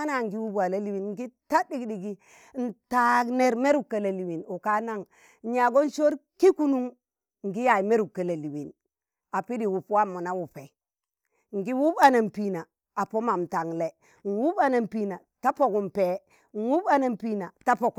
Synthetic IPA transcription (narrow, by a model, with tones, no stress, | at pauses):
a˦na˨ŋɡi˦wu˦ba˨la˦li˨wi˨nŋ˦ɡi˦ta˦di˦˨ɡdi˨ɡi˦ | n̩˨ta˦ne˨ɾme˦ɾu˦˨kːa˨la˨li˨wi˨nu˨ka˦na˦ŋ˦ | ɲa˨ɡo˦n˦ʃo˦ɾki˦ku˦nu˦ŋ | ŋ˨ɡi˦ja˨ji˨me˦ɾu˨kːa˨la˨li˨wi˨n | a˨pi˦di˨wu˨pwa˦mu˨na˦wu˨pe˨ | ŋ˨ɡi˦wu˦ba˨na˨mpi˦na˨ | a˨po˦ma˨mta˨ŋle˨ | n˨wu˦ba˨na˨mpi˦na˨ta˦po˨ku˨mpe˨ | n˨wu˦ba˦na˨mpi˦na˨ta˦po˨k